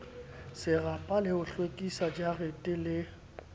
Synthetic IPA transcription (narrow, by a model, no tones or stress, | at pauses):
sɪrapʼalɪʊɬwekʼisad͡ʒaretʼɪlɪ